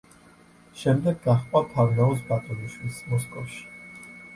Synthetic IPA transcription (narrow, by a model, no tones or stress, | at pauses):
ʃɛmd̪ɛɡːaχqʼwat̪ʰavnaɔsbat̪ʼɔniʃwismɔskʼɔfʃi̥